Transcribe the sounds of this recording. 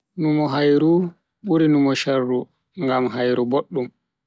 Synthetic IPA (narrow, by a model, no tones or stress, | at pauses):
numɔɦajɾu | ɓuɾinumɔʃarːu | ŋɡamɦajɾuboɗːum